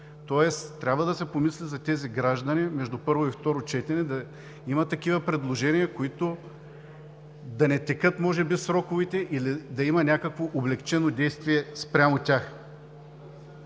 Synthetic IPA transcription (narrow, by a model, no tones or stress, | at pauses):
t̪ɔɛst̪ːɾʲabvəd̪ɐsɛpomislizɐt̪ɛziɡɾaʒd̪ɐnimɛʒd̪upɤɾvoift̪ɔɾot͡ʃɛt̪ɛnɛd̪ɐ | imɐt̪ɐkivɐpɾɛd̪lˠoʒɛnijɐkoit̪o | d̪ɐnɛt̪ɛkɤt̪mɔʒɛbisɾɔkʊvit̪ɛʔilid̪ɐimɐnʲakəkvoʔoblɛkt͡ʃɛnod̪ɛjst̪viɛspɾʲamotʲax